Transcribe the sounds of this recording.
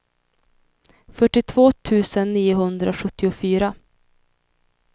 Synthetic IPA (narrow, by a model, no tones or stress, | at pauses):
fœʈːɪt̪ʰvoːt̪ʰʉ̟ːsənːiːʊɦɵnd̪ɾaɧɵt̪ːɪʊfyːɾa